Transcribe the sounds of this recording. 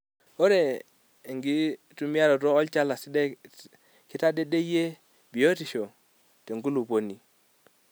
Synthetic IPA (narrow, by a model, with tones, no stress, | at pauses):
o˦ɾe˦˨ | ŋɡi˦ | tu˦mi˦a˦ɾo˨tɔː˦lt͡ʃa˦la˨si˦de˦ | ki˦ta˦de˦de˦je˦ | bi˨o˦ti˨ʃo˨ | te˨ŋɡu˦lu˨po˨ni˨